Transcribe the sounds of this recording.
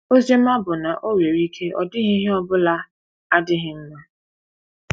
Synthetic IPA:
o˦ze˦m̩˦ma˦bʊ˨na˨ʔo˦we˨ɾi˦kʰe˦ʔɔ̰˨dɪ˦ɦɪ˦ɦɪ˦ɔ˦bʊ˦la˦ | a˦dɪ˦ɦɪ˦m̩˦ma˦

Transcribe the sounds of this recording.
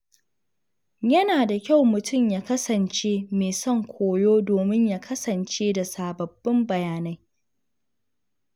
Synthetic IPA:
jɐ˦naː˨da˨kʲa˦˨wmʊ˨tʰʊ˦˨mjaː˦kɐ˦sɐ˨nt͡ʃeː˦meː˨sɔ˦˨ŋkʷʰoː˨joː˦doː˨mɪ˦ɲjaː˦kʰɐ˦sɐ˨nt͡ʃeː˦da˨saː˨bɐ˨bːɪ˦mbɐ˨jaː˨na˦j

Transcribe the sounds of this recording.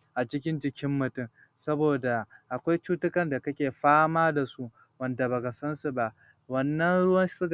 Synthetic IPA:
ʔa˨t͡ʃɪ˦kʲɪ˦nd͡ʒɪ˦kʲʰɪ˦mːʊ˨tʊ˦˨m | sɐ˦boː˨da˨ʔa˨kʷa˦jt͡ʃuː˦tʊ˦kɐ˨nda˨kɐ˦kʲeː˨ɸaː˦maː˦da˨su˦ʔ | wɐ˦nda˨ba˨ɡa˨sɐ˦nsu˨ba˦ʔ | wɐ˦nːɐ˦nɽʊ˦wɐ˦n˦sʊ˦ɡ

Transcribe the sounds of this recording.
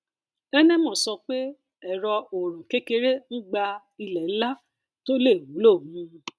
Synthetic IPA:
ɛ˦nɛ̃˦mɔ̃˦˨sɔ˧k͡pe˦ | ɛ˨ɾɔ˧o˨ɾ̃ɔ̃˨ke˦ke˧ɾe˦n̩˦ɡ͡ba˧ | i˧lɛ˨˦la˦ | to˦le˦˨wu˨˦lo˦˨mũ˧˦˧

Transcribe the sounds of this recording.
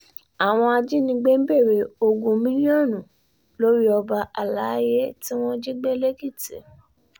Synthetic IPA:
a˨w̃ɔ̃˧a˧d͡ʒi˦nĩ˧ɡ͡be˦m̩˦be˦˨ɾe˨o˧ɡũ˧mĩ˦li˦ɔ̃˦˨nũ˨ | lo˦ɾi˦ɔ˧ba˧ʔa˨la˨˦je˦ti˦w̃ɔ̃˦d͡ʒi˦ɡ͡be˦le˦ɡi˦˨tḭ˨˦

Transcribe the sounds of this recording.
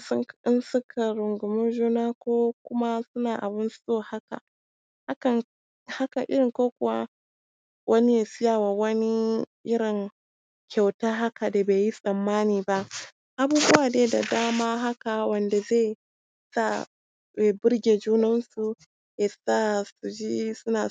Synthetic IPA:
sʊ˦ŋ˦ɪ˦nsʊ˦kʰa˨ɾʊ˨ŋɡʊ˨mʊ˦ʒuː˦naː˦kʷoː˦kʷʊ˦ma˦sʊ˦naː˨ʔa˨bɪ˦nssoː˦˨ha˦ka̰˨ | ha˦kɐ˨ŋ | ha˦kɐ˨ʔɪ˦ɾɪ˨koː˦kʷʊ˨wa̰˦ | wʔɐ˦ni˦ja˨sɪ˦jaː˨wa˨wɐ˦ni˦ʔɪ˦ɽɪ˨ŋ | kʲʰa˨wtaː˦ɦa˦ka˨da˨beː˨ji˦sʼɐ˨mːaː˦niː˨ba˦ʔ | ʔa˨buː˦bʊ˦waː˨neː˦da˨daː˦maː˦ɦa˦ka˨wɐ˨nda˨ze˦˨ | sa˦˨ | bʊ˦ɾɡʲeː˨d͡ʒuː˦nɐ˦nsu˨ | ja˨saː˦˨su˨d͡ʒi˦sʊ˦naː˨

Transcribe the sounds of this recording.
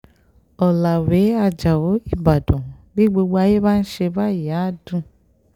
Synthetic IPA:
ɔ˨la˨we˨˦a˧d͡ʒa˨wo˨˦i˦˨ba˨dɔ̃˨bi˦ɡ͡bo˧ɡ͡bo˧a˧je˦ba˦n̩˦ʃe˧ba˦˨ja˨˦˨dũ˦˨

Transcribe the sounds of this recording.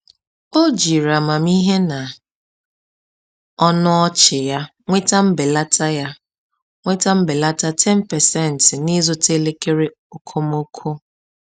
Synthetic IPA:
o˦d͡ʒi˨ɾa˨ma˨mi˦ɦe˦na˨ | ɔ˦nʊ˦ɔ˦t͡ʃɪ˨ja˦ŋʷe˦ta˦m̩˦be˨la˦ta˦ja˦ | ŋʷe˦ta˦m̩˦bɪ˨la˦ta˦tʰɛ˦n̩˦pɛ˨sɛ˦˨n̩˨tɪ˨ni˦zʊ˨te˦le˦ke˦ɾe˦ | o˨kʰo˦m˦o˦kʰo˦

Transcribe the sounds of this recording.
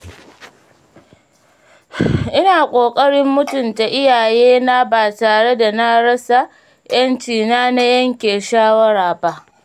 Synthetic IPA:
ʔɪ˦naː˨kʷʼoː˨kʼɐ˦ɽɪ˦mːʊ˦tʊ˨nta˨ʔɪ˦jaː˨jeː˦na˦baː˨taː˨ɽe˦da˨na˦ɽɐ˦sa˨ | jɐ˦nt͡ʃiː˨naː˦na˦jɐ˦ŋkʲeː˨ʃaː˦wɐ˦ɽaː˨ba˦ʔ

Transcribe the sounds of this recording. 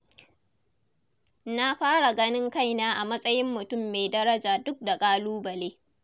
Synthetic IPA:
na˦ɸaː˦ɽa˨ɡɐ˦nɪ˦ŋka˦˨jnaː˦ʔa˨mɐ˦sʼɐ˦jɪ˦mːʊ˨tʊ˦˨mːe˨jdɐ˦ɾɐ˦d͡ʒaː˨dʊ˦k̚da˨kʼaː˦luː˦bɐ˨leː˦

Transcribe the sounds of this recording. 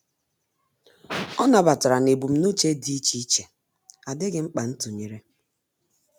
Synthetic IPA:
ɔ˦na˨ba˨ta˨ɾa˨ne˨bu˨m̩˨˦nu˦t͡ʃe˦di˦i˦t͡ʃi˦i˦t͡ʃe˨ | a˨dɪ˦ɡɪ˦ŋ͡m̩˦k͡pa˨n̩˦tu˨ɲe˨ɾe˦

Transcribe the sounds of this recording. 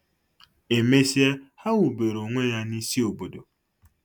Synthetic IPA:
e˨me˦si˦e˦ha˦wu˨be˨ɾo˨ŋʷe˦ja˦ni˦si˦o˨bo˨do˨

